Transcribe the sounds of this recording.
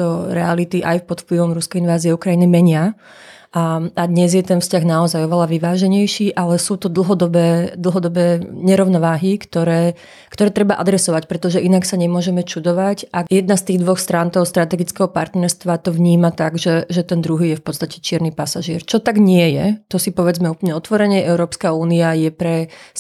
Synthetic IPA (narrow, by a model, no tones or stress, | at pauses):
t̪ɔɾɛalit̪iʔajfpɔt̪fpliʋɔmɾuskɛjinʋaːziɛukɾainimɛɲɪa | aad̪ɲɛzjɛt̪ɛnfscaɣnaɔzajɔʋɛlaʋiʋaːʒɛɲɛjʃiːʔalɛsuːt̪ɔd̪l̩ˠɦɔd̪ɔbɛːd̪l̩ɦɔd̪ɔbɛːɲɛɾɔʊnɔʋaːɦikt̪ɔɾɛː | kt̪ɔɾɛːt̪ɾɛbaʔa̰d̪ɾɛsɔʋacpɾɛt̪ɔʒɛʔinaksaɲɛmʊɔʒɛmɛt͡ʃud̪ɔʋacʔajɛd̪̚nast̪iːɣd̪ʋɔxst̪ɾant̪ɔʊst̪ɾat̪ɛɡit͡skɛɦɔpa̰ɾt̪nɛɾst̪ʋat̪ɔʋɲiːmat̪aɡʒɛʒɛt̪ɛnd̪ɾuɦiːjɛfpɔt̪t͡sst̪acɛ̥t͡ʃɪɛɾnipasaʒɪɛɾt͡ʃɔt̪aɡɲɪɛjɛt̪ɔsipɔʋɛd͡zmɛuːplɲɛɔt̪ʋɔɾɛɲɛʔɛʊɾɔːpskauːniajɛpɾɛ